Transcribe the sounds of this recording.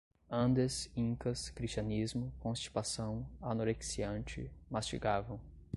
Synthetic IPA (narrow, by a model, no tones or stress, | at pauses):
ɐ̃nd̪esĩŋkɐskɾist͡ʃɐ̃nizmʊkõst͡ʃi̥t̪asɐ̃w̃anoɾeksiɐ̃nt͡ʃɪ̰mast͡ʃiɡavɐ̃w̃